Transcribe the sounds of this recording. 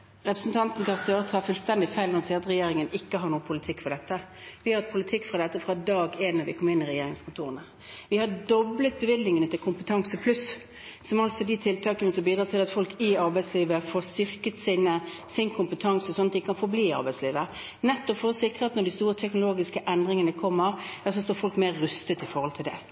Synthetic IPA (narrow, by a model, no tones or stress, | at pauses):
ʁɛpɾəsn̩t̪ʰɑnt̪n̩kɑst̪øːɾət̪ʰɑːfʉlst̪ɛnd̪ɪfæɪlnɔsiːɑt̪ɾɛjeːɾɪŋənɪkːəɦɑɾɳuːəpʰʊlɪt̪ʰɪkːfɔd̪ɛt̪ːəʋɪhɑɾət̪̚pʰʊlɪt̪ʰɪkːfɾɑd̪ɛt̪ːəfɾɑd̪ɑːɡeːnːɑʋɪkʰɔmːɪnːɪɾɛjeːɾɪŋskʰʊnt̪ʰuːʁənə | ʋɪhɑdɔblət̪̚bəʋɪd̪nɪŋənət̪ʰɪlkʰʊmpət̪ʰɑŋsəpʰlʉs | sɔmɑlsɔd̪ɪt̪ʰɪlt̪ʰɑːkənəsɔbiːd̪ɾɑːt̪ʰɪlɑt̪fɔlkɪɑɾbæɪsliːʋəfoːst̪ʏʁkət̪siːnə | sɪnkʰʊmpət̪ʰɑŋsɔsɔnɑt̪ɪkːəkʰɑnfɔɾbliːɪɑ̰ɾbæɪsliːʋə | nɛt̪ːɔfɔːəsɪkːʁət̪nɔɖ̪ɪst̪uːɾət̪ʰɛknʊloːɡɪskəʔɛnd̪ɾɪŋənəkʰɔmːəʁɛs̬ɔst̪oːɾfɔlkmeːɾːʉst̪ət̪ɪfɔɾhɔlt̪ʰɪld̪ɛ̰